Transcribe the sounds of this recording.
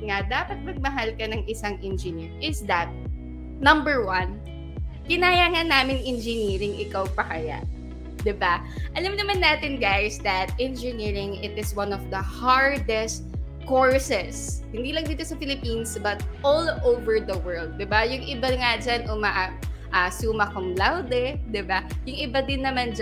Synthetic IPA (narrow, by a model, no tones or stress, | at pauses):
ŋad̪aːpɐt̪̚mɐɡ̚mɐɦalkɐnɐŋʔɪsaŋʔɛnd͡ʒɪnɪɹʔɪsd̪ɐt̪̚ | nɐ̃mbɛɹwɐn | kɪnaːjaŋanaːmɪnʔɛnd͡ʒɪniːɾɪŋʔɪkawpɐkɐja̰ʔ | d̪ɪba | ʔɐlamnɐmanːaːt̪ɪnɡajsd̪ɐt̪̚ʔɛnd͡ʒɪniɹɪŋɪt̪ɪswɐ̃nɔfd̪ɐhaɹd̪ɛst̪̚ | koɹsɛshɪnd̪iːlɐŋd̪iːt̪osɐfɪlɪpiːnsbɐt̪̚ʔolʔowvɛɹd̪ɐwɜɹld̪̚ːɪbajʊŋʔɪbaŋad͡ʒanʊmaʔap̚ʔasuːmɐkʊŋlawd̪ɛd̪ɪbajʊŋʔɪbad̪ɪnːɐmand͡ʒ